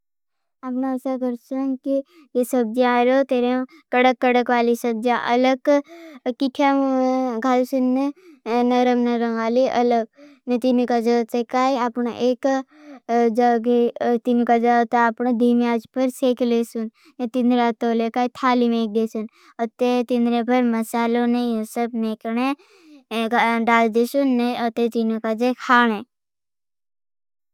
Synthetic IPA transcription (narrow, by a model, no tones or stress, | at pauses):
apnaəsaɡəɾsɐnki | jesɐb̚d͡ʒaaɾot̪eːɾẽ | kəɽəkːəɽəkʋaːlisɐb̚d͡ʒaʔɐləɡ | kiʈʰjaɡʱaːlsunːenɐɾəmnɐɾəɡaːliʔɐləɡ̚net̪imikad͡ʒat̪ekaːiapɳaʔeːk | d͡ʒaɡet̪inikad͡ʒat̪eapɳad̪imiaːd͡ʒpəɾseːklesun | net̪ind̪ɾat̪oːlekaːit̪ʰaːlimeːk̚d̪esun | ɔt̪et̪ĩnd̪ɾebɐɾmɐsaːlonejõːsəbmeːkne | ɖaːld̪esunːeɔt̪et̪inokad͡ʒekʰaːɽ̃e